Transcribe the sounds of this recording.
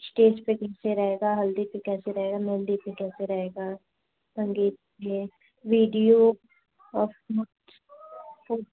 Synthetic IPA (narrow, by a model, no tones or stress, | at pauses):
sʈeːspekɛːseɾɐɦeːɡaːɦɐld̪ipekɛːseɾɐɦeːɡanɛld̪ipekɛːseɾɐɦeːɡaː | bʱə̃ŋɡiːt̪pe | ʋiːɖijo | ɔɾfuːʈ | fuːʈ